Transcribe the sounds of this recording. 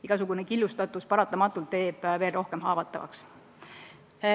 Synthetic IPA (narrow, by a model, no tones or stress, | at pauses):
iɡ̥ɑsuɡ̥unekilːust̪ɑt̪ːˑuspɑɾɑt̪ːˑɑmɑt̪ːˑult̪ːe̞ːb̥ve̞ːlro̞hke̞mɦɑːvɑt̪ːˑɑ̰vɑ̰ks